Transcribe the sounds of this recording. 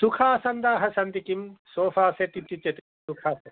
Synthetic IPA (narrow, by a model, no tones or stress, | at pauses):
t̪ukʰaːsɐnd̪aːɦɐsɐnt̪ikimsoːfaːseʈ̪it̪ːit͡ʃːɐt̪i | sukʰaːsɐ